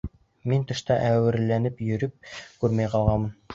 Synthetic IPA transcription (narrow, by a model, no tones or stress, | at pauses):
mint̪ɤ̆ʃt̪ɑʔæwɘ̆ɾlænɘpjɵ̆ɾɵp̚kʉɾmæjqɑlˠʁɑnmɤn